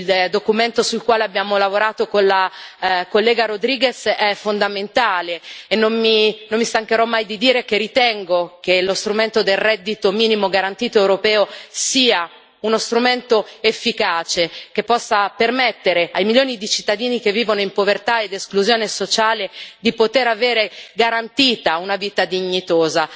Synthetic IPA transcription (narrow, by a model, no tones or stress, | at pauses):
ild̪okument̪osulkwaːleabːjaːmolavoɾaːt̪okonlakolːɛːɡaɾod̪ɾiːɡesɛfːond̪ament̪aːleːnːomminomːist̪aŋkeɾɔmːajd̪id̪iːɾek̟erit̪ɛŋɡok̟elost̪ɾument̪od̪elrɛd̪ːit̪omiːnimoɡaɾant̪iːt̪oewɾopɛːosiːa | unost̪ɾument̪oefːikaːt͡ʃek̟epːɔsːapermɛt̪ːeɾeajmiljoːnid̪it͡ʃit̪ːad̪iːnikevːiːvonoimpovert̪aed̪eskluzjoːnesot͡ʃaːled̪ipot̪eɾaveːɾeɡaɾant̪iːt̪aunaviːt̪ad̪iɲːit̪oːza